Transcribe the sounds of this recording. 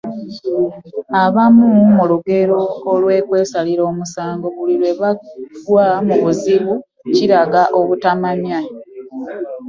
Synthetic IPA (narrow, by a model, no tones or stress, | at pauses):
aβamumuluɡe̞ɾo̞ːlwe̞ːkwe̞ːsaliɾo̞ːmusaːŋɡo̞βulilwe̞βaɡwamuβuziβu | ciɾaɡaʔo̞βutamamja